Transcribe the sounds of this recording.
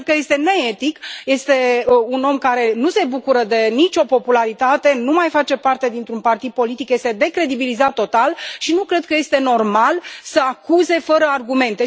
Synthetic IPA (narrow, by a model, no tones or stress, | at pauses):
kəje̞st̪e̞ne̞et̪ikje̞st̪e̞uno̞mkaɾe̞nuse̞bukuɾəd̪e̞nit͡ʃʲo̞po̞pulaɾit̪at̪e̞numajfat͡ʃe̞part̪e̞d̪int̪ɾunpart̪id̪̚po̞lit̪ikje̞st̪e̞d̪e̞kɾe̞d̪ibilizat̪ːo̞t̪alʃinukɾe̞d̪̚kəje̞st̪e̞no̞rmalsəakuze̞fəɾəarɡume̞nt̪e̞